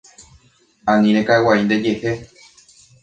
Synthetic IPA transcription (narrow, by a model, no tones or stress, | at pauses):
ãnĩɾ̃ekaewaind̪e̞d͡ʒe̞he